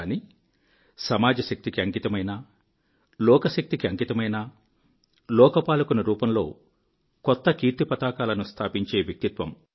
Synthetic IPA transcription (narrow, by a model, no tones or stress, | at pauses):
ni | sɐmaːd͡ʒɐʃɐk̚t̪ikiɐŋkit̪ɐmɐjnɐ | lɔːkɐsɐk̚t̪ikiɐŋit̪ɐmɐjnɐ | lɔːkɐpaːlukunɐɾuːpɐmlo̞ː | kɔt̪ːɐkiːɾt̪upɐt̪aːkaːlɐnust̪ʰaːpiɲt͡ʃe̞ːʋjɐk̚t̪it̪ʋɐm